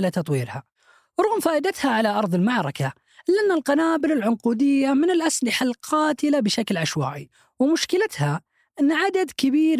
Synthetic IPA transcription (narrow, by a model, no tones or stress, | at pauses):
lat̪ɑt̪ˤwiːɾha | wɾʊɣʊmfaːʔɪd̪at̪haʕalaʔɑɾˤðˤɪlmaʕɾˤɑka | lɪʔanːalqɑnaːbɪlɪlʕʊnquːd̪ɪjːamɪnɪlʔaslɪħalqʰɑːt̪ɪlabɪʃaklʕaʃwa̰ːʔi | wɪmʊʃkɪlat̪ha | ʔɪnːʕad̪ad̪kɪbiːɾ